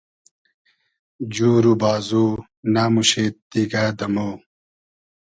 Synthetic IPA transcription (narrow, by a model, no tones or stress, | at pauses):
d͡ʑuːɾubaːzuː | naːmuɕeːt̪iɡaːd̪ɐmoː